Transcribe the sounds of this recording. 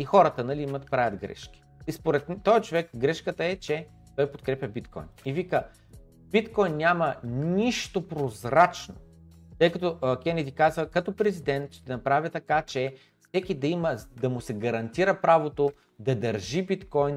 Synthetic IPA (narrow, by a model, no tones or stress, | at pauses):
ixɔɾət̪ənɐliimət̪pɾavʲɐt̪ɡɾɛ̰ʃkʲi̥ispoɾɛt̪ːɔjt͡ʃovɛkɡɾɛʃkət̪əɛt͡ʃɛ | t̪ɔjpot̪̚kɾɛpʲɐbit̪kɔ̰jnivikə | b̥it̪kɔjnːʲamɐniʃt̪opɾozɾat͡ʃno̰ | t̪ɤjkɐt̪ɔkɛnɛd̪ikazvəkɐt̪opɾɛzid̪ɛnt̪ʃt̪ɛnɐpɾavʲət̪ɐkat͡ʃɛ | fsɛkʲid̪ɐiməd̪ɐmʊsɛɡɐɾɐnt̪iɾəpɾavot̪o | d̪ɐd̪ɐɾʒibit̪kɔjn